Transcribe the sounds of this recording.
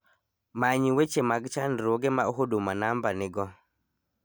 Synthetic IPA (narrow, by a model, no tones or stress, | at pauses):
maɲiwet͡ʃemaɡt͡ʃanɾoɡemaoɦodomanambanɪɡɔ